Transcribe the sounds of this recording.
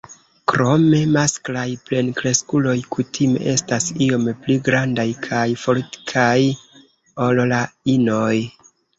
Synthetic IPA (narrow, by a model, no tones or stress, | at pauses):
kɾo̞me̞masklajple̞nkɾe̞skulo̞jkutʰime̞̰ʔe̞stasio̞mpliɡɾandajkʰajfo̞ɾti̥kʰaj | o̞lolaino̞j